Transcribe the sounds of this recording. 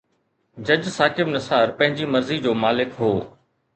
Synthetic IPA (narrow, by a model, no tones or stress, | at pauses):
d͡ʑɐd͡ʑsaːkɪbnɐsaːɾpɐ̃ɦɪ̃ɲd͡ʑimɐɾzid͡ʑoːmaːlɪkɦoː